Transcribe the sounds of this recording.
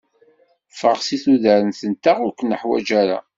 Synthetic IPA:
fʁəʁsiθuðæɾənθənt̪aʁʊɾkʷːənəħwæ̰d͡ʒæɾa̰

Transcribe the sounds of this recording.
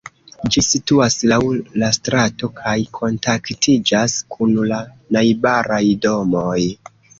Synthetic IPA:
d͡ʒisituaslawlastɾato̞kʰajkʰo̞ntaktʰid͡ʒaskʰunla | najbaɾajdo̞moj

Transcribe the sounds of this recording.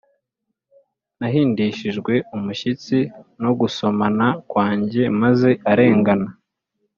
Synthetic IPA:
naɦiːndiʃiʒɡwe̞umuʃit͡sino̞ɡuso̞manakwaːɲɟe̞maze̞aɾe̞ːŋɡana

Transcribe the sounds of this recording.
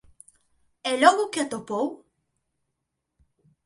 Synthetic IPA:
elɔɣuket̪opow

